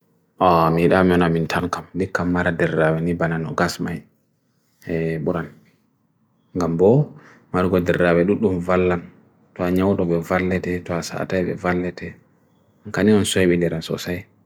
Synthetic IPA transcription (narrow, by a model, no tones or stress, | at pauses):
ʔɔmiɗamiɔnamintʰaŋkamdikːamːaɾadɛrːawɛnibananɔ̰ɡasmaj | ɛɓuɾan | ŋɡambɔ | maɾɡɔdɛɾːawɛɗuɗumvalːan | tɔaɲawɗɔɓɛvalːɛtɛtɔasa̰tajɓɛ̰valːɛtʰɛ | ŋkaniɔnsɔjɓindɛɾansɔ̰saj